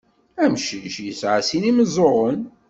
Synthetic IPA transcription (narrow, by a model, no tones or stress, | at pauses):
æmʃiʃjəsʕasiniməzˤoʁˤən